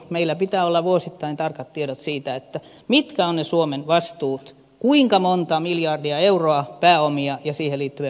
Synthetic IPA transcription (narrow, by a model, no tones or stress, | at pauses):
meilːæpit̪æːolːɑʋuosit̪ːɑint̪ɑrkɑt̪tieɾot̪siːt̪æet̪ːæ | mit̪kæonnesuomenʋɑst̪uːt̪ | kuiŋkɑmont̪ɑmiljɑrdiɑeuroɑpæːomiɑjɑsiːheliːt̪ːyʋe